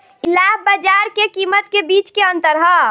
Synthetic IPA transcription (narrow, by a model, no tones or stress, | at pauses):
ɪlaːɦbəd͡ʒaːɾkekiːmət̪kebiːt͡ʃkeə̃nt̪əɾɦə